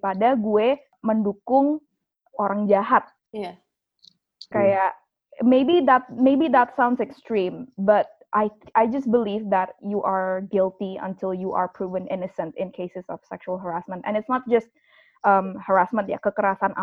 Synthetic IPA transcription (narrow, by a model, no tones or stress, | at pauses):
padaɡuɛ | məndukʊŋ | oɾaŋd͡ʒaɦat̪̚ | j | kajaʔ | mejbiðæt̪̚mebiðæt̪sãw̃ndsɛkst̪ɾĩmbat̪̚ʔajajd͡ʒʌstbəlivðæt̚juʔaɹɡɪlˠt̪iə̰̃ntɪlˠjuʔa̰ɹpʰɾuvə̃nɪ̰nəsə̃ntɪ̰̃nkʰesɪsɔ̰fsɛ̰kʃualˠɦəɾasmə̃nt̪ɛ̰̃nɪtsnɔt̪̚d͡ʒʌst̪̚ | ʔəmhəɹasmə̃nt̪ja̰kəkəɾasanʔa̰